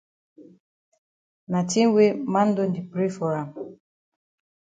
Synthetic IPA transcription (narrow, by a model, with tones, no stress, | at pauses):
na˨ti˦we˦mã˦n˦do˦ndi˨pɾi˦fɔ˨ɾa˨m